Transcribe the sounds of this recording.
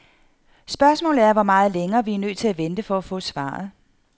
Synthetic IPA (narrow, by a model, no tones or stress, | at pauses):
sb̥ɶɐsmɔ̰̽ːlð̩ˠæɐʋɒmɑ̈ːð̞̩ˠleŋɐːʋiæɐnø̰ːt͡sʰe̝læʋend̥əfɒ̽æfɔ̰̽ːsʋɑ̰̈ːð̩ˠ